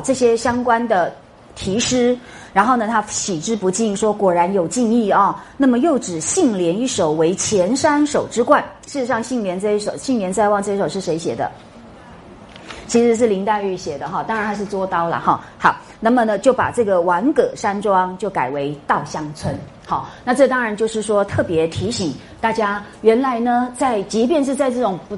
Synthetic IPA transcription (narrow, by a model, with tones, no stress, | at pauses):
ʈ͡ʂɤ˥˩ɕjɛ˥ɕjɑ˥ŋkwa˥nd̪ə˨ | t̪ʰi˧˥ʂɻ̩˥ɻa˧˥nxo˥˩ʊnə˩t̪ʰa˥ɕi˨˩ʈ͡ʂɻ̩˥pu˧˥t͡ɕi˥˩nʂwɔ˥kwɔ˨˩ɻa˧˥njo˨˩ʊt͡ɕi˥˧ŋi˥˩ɐ˧˩na˥˩mə˩jo˥˩ʊʈ͡ʂɻ̩˨˩ɕi˥˩ŋljɛ˧˥ni˥˩ʂo˨˩ʊwe˧˥ɪt͡ɕʰjɛ˧˥nʂa˥nʂo˨˩ʊʈ͡ʂɻ̩˥kwa˥˩nʂɻ̩˥˩ʈ͡ʂɻ̩˧˥ʂɑ˥˧ŋɕi˥˩ŋljɛ˧˥nt͡sa˥˧i˥˩ʂo˨˩ʊɕi˥˩ŋljɛ˧˥nt͡sa˥˧ɪwɑ˥˧ŋʈ͡ʂɤ˥˩jɛ˥ʂo˨˩ʂɻ̩˥˩ʂe˧˥ɪɕjɛ̰˨˩d̪ə̰˦ | t͡ɕʰi˧˥ʂɻ̩˧˥ʂ̬ɻ̩˥˩li˧˥ŋt̪a˥˧ny˥˩ɕjɛ˨˩d̪ə˦xɑ˥˩t̪ɑ˥ŋɻa˧˦nt̪ʰa˧˥ɪʂ̬ɻ̩˥˩t͡swɔ˥t̪ɑ˥ʊlə̰˨˩xɑ̰˥˩xɑ˧˦ʊ | na˥˩mə˨nə˨t͡ɕjo˥˩ʊpa̰˨˩ʈ͡ʂɤ˥˩ɡə˩wa˧˥nkɤ˨˩ʂa˥nʈ͡ʂwɑ˥ŋt͡ɕjo˥˩ʊka˨˩ɪwe˧˥ɪt̪ɑ˥˩ʊɕjɑ˥ŋt͡sʰwə˥n | xɑ˥˧˩ʊna˥˧ʈ͡ʂɤ˥˩t̪ɑ˥ŋɻa˧˦nt͡ɕjo˥˧ʊʂɻ̩˥˩ʂwɔ˥t̪ʰɤ˥˩pjɛ˧˥t̪ʰi˧˥ɕi˨˩˦ŋ | t̪a˥˩t͡ɕja˥ | ɥɛ˧˥nla˧˥ɪnə˧t͡sa˥˩ɪt͡ɕi˧˥pjɛ˥˧nʂ̬ɻ̩˥˧t͡sa˥˧ɪʈ͡ʂɤ˥˩ʈ͡ʂʊ˨˩ŋp